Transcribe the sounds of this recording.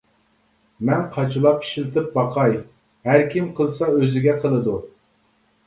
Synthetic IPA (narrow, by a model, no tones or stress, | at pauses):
mɛnqʰɑt͡ʃʰɨlˠɑpi̥ʃilɪt̪ɪp̚bɑqʰɑj | hæɾkʲʰimqʰəlˠsɑøzɪɡʲɛqʰəlˠɨd̪u